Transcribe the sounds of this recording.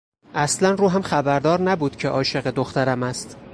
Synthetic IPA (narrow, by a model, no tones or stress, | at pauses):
ʔæslænruːɦæmχæbæɾd̪ɒːɾnæbuːd̪̥cʰeʔɒːʃe̞ɣe̞d̪oxt̪æɾæmæst̪